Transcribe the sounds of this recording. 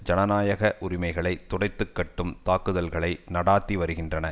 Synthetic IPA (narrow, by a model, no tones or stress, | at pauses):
d͡ʒɐnɐnaːjɐɣɐʔʊɾɪmɐɪɣɐɭɐɪt̪ːʊɽɐɪt̪ːɯkːɐʈːɯmt̪aːkɯðɐlɣɐɭɐɪnɐɽaːt̪ːiʋɐɾɯɣɪndrɐnɐ